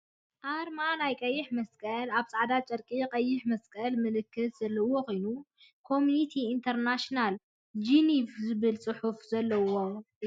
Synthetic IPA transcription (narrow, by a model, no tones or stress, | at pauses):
ʔaɾmanajkʼɐjːɪħmɐskʼɐlaβsʼaʕd̪at͡ʃʼɐɾkʼikʼɐjːɪħmɐskʼɐlmɨlɨkːɨt̪ʰz̥ɐlːɐwoxʰojnu | kʰo̞mjunit̪ʰiːnt̪ʰɐɾnaʃnal | d͡ʒinifzɨβɨlt͡sʼɨħufzɐlːɐwo